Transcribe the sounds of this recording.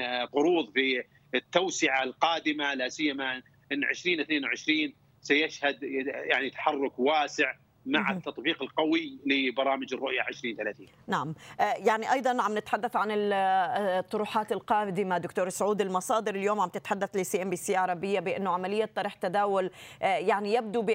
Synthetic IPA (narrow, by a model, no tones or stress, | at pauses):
qʊɾuːðˤfi | ɪt̪ːawsɪʕalqɑːd̪ɪmalasɪjːama | ʔɪnːʕɪ̰ʃɾiːnʔθneːnwʕɪʃɾiːn | sajaʃhad̪jaʕnit̪ḁħɑrˤːʊkwaːsɪʕ | maʕɪt̪ːɑt̪ˤbiːqɪlqawɪlɪbɑɾˤɑːmɪd͡ʒɪrˤːʊʔjaʕɪʃɾiːnt̪alaːθiːnnaʕamʔjaʕniʔɑjd̪ˤɑnʕamnɪt̪ħad̪ːaθʕanɪl | t̪ˤːʊɾuːħɑːt̪ɪlqɑːd̪ɪmad̪ʊkt̪oːɾˤsʕuːd̪ɪlmɑsˤɑːd̪ɪɾɪljoːmʕambt̪ɪt̪ħad̪ːaθlɪsiːʔɛmbiːsiːʕɑɾˤɑbɪjːabɪʔɪnːʊʕamalɪjːat̪ˤːɑɾiːħt̪ad̪aːwʊljaʕnijab̚d̪ubɪ